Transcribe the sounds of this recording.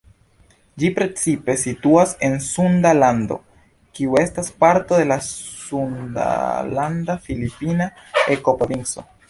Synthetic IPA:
d͡ʒipɾe̞t͡sipe̞situase̞nsundalando̞̰ | kiue̞staspaɾto̞de̞lasunda̰landafilipinae̞ko̞pɾo̞vint͡so̞̰

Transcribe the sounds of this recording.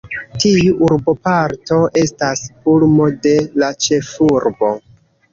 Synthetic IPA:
tiuʔuɾbo̞paɾto̞ʔe̞stashulmo̞de̞lat͡ʃe̞fuɾbo̞

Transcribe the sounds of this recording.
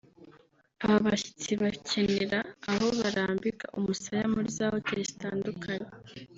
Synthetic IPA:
aβaβaçi̥t͡siβacʰeneɾaːɦo̞βaɾaːmbikaʔumusajamuɾizaːhoceici̥taːndukʰaɲe

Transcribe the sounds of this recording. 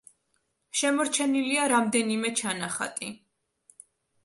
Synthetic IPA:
ʃɛmɔɾt͡ʃʰɛniliaɾamd̪ɛnimɛt͡ʃʰanaχa̰t̪ʼi

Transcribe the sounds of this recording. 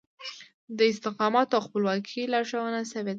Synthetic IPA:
d̪əɪst̪ɪqɑmɑt̪oawxpəlwɑkʰilɑʂawənasəwed̪a

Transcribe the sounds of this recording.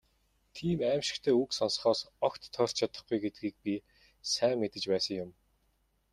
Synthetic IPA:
t̪ʰiːmæːmʃɪ̥̆kt̪ʰeːuksɔns̆χɔːsɔkt̪ʰːœːr̥t͡ɕʰat̪ə̆χɡujɡet̪̚ɡiːk̚pʲi | sæːŋːet̪ɘ̆t͡ɕpæːsə̆ŋjʊm

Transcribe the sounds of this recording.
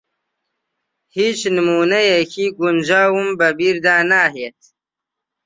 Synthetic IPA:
hit͡ʃnimunajekiɡund͡ʒaːwumbɐbiɾd̪aːnaɦet̪̚

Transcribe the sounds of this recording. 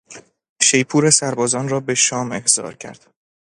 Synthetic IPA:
ʃe̞jpʰuːɾesæɾbɒːzɒːnrɒːbe̞ʃɒːme̞hz̥ɒ̰ːɾcʰæ̰ɾd̪̥

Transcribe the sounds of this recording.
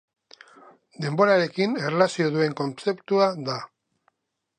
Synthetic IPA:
d̪e̞mbo̞ɾaɾe̞kine̞relasio̞ðue̞ŋko̞nt͡se̞pt̪uaða

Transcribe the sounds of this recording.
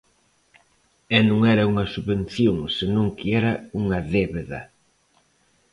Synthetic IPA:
ɛnõŋɛɾɐuŋɐsuβen̟θjoŋsenõŋkiɛɾɐuŋɐðeβeðɐ̰

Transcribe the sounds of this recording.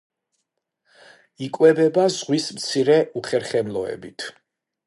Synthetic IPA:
ikʼwɛbɛbazʁwismt̪sʰiɾɛʔuχɛɾχɛmlˠɔɛ̰bit̪ʰ

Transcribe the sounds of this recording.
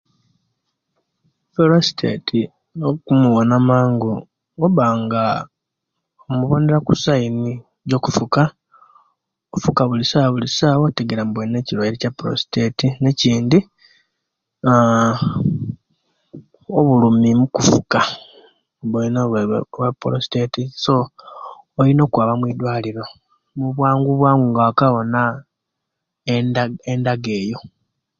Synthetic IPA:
pɾosi̥tʰḛtʰi | okumuwonamaːŋɡo | oβaːŋɡa | omuβo̞ːneɾakusaini | ɟo̞kufuka | ofukaβulisaːβulisaːβoteɡeɾambwene̞ciɾwaiɾecapɾo̰si̥tetine̞ciːndi | oβulumimukufuka | βwenoβapɾosi̥tetiso̞ː | lino̞ːkwaːβamwiːd̪waːliɾo̞ | muβwaːŋɡuβwaːŋɡuŋɡaakaβo̞na | endaɡe̞ːjo̞

